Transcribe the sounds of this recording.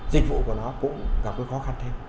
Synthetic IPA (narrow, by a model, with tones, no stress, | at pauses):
zï˨˩k̟̚vṵ˧˨ku˧˩nɔ˨˦kʊ̰˧˥ŋ͡mɣa˨˩p̚kəː˨˦jxɔ˨˦xa˧˩nt̪ʰe˧m